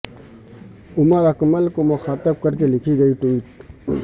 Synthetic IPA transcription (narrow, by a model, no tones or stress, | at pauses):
ʊməɾɐkməlkomʊxaːt̪əb̚kɐɾkelɪkʰiɡɐiʈuiːʈ̚